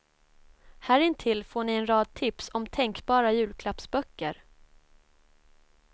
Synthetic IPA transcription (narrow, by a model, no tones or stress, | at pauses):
hæːɾɪnt̪ʰɪlfoːɳɪɛnɾɑːd̪̚t̪ʰɪpsɔmt̪ʰɛŋkbɑːɾajʉ̟ːlkʰlapsbœkːəɾ